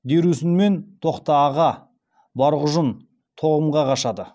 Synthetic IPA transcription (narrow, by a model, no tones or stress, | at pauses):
d̪e̞ɾusɪnme̞nt̪ʰo̞qt̪ɑːʁɑ | bɑɾʁʊʒən | t̪ʰo̞ʁəmʁɑqɑʃɑd̪ə